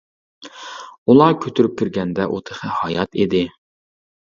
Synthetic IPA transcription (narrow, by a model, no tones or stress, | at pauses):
ulˠɑkʲʰøt̪ʰyɾyp̚kʲʰiɾɡʲɛnd̪ɛʔot̪ʰə̥χəhɑjɑt̪ʰid̪ɪ